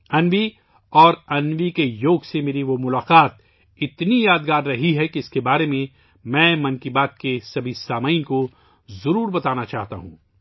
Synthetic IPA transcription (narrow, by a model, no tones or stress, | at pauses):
ɐnʋi | ɔːɾɐnʋikejoːɡsemeːɾiʋomʊlaːqaːt̪̚ | ɪt̪nijaːd̪ɡaːɾːɐɦiɦɛkiɪskebaːɾemẽ | mɛ̃ːmɐ̃nkibaːt̪̚kesɐbʱisaːmaːɪnko | zɐɾuːɾbɐt̪aːnat͡ʃaːɦt̪a̰ɦṵ̃ː